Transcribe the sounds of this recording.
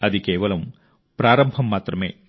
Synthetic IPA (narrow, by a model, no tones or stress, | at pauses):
ɐðɨke̞ːʋɐlɐm | pɾaːɾɐmbʱɐmːaːt̪rɐmḛː